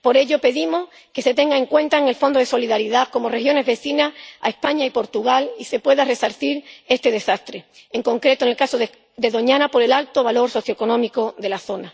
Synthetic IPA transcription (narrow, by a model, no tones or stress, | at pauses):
po̞ɾe̞ʎo̞pe̞ðimo̞h | ke̞se̞t̪e̞ŋɡae̞ŋkwe̞nt̪aeŋe̞lfo̞nd̪oð̞e̞so̞liðaɾiðako̞mo̞rehjo̞ne̞zβe̞θinaa̰e̞spaɲaipo̞ɾt̪uɣ̞alise̞pwe̞ðare̞saɾθiɾe̞st̪e̞ðe̞sast̪ɾe̞eŋko̞ŋkɾe̞t̪oŋelkasoð | d̪e̞ðo̞ɲãnapo̞ɾe̞lalt̪o̞βalo̞ɾso̞θjoko̞nõ̞miko̞ðe̞laθo̞na